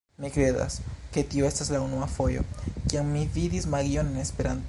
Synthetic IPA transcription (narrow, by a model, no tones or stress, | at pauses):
mikɾe̞da̰ske̞tioe̞staslaunuafo̞jo̞̰kiammividismaɡio̞nene̞spe̞ɾant